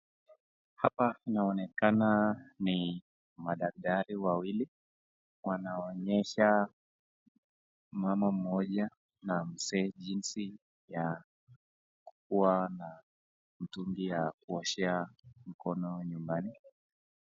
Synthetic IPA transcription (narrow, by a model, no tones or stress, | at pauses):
hapainaɔnɛkanani | maɗak̚taɾiwawili | wanaɔɲɛʃa | mamam̩ɔʄa | nam̩sɛʄinsi | ja | ku̥kuana | m̩tuŋɡijakuɔʃɛam̩kɔnɔɲumbani